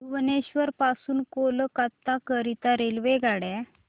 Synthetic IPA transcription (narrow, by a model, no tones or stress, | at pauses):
uʋneɕʋəɾpasuːnkoləkat̪ːakəɾit̪aɾelʋeɡaɽɛ